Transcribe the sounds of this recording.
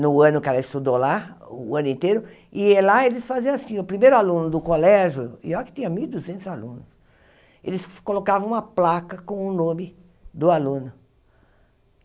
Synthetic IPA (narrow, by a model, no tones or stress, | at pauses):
nʊɐ̃nʊkɪɛlɐɪst̪ud̪olaɐ̃nʊĩnt̪ejɾʊ | ɪɛlaelɪsfaziɐ̃asĩʊpɾimejɾʊalũnʊd̪ʊkolɛʒʊḭakɪ̥t̪ĩɲɐmiwid̪uzẽnt̪ʊzalṵ̃nʊs | elɪskolokavɐ̃w̃ũmɐplakɐkõʊnõmɪ | d̪ʊalũnʊ